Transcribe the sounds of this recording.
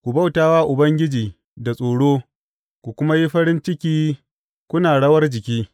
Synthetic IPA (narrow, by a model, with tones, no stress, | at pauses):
kʷu˨bɐ˦˨wtaː˦waː˦ʔʊ˨bɐ˦ŋɡʲɪ˦d͡ʒiː˨ | da˨sʼoː˨ɽoː˦ | kʷu˨kʷʊ˦ma˦ji˦ɸɐ˦ɽɪ˦nt͡ʃɪ˦kʲiː˦ | kʷʊ˦naː˨ɽɐ˦wɐ˦rd͡ʒɪ˨kʲiː˦